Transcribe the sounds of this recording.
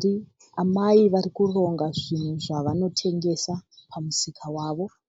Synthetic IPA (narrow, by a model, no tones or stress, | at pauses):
i | amaiʋarikuro̞ŋɡaʐin̤uʐaʋano̞tʰe̞ŋɡe̞sapʰamusikʰawaːʋo̞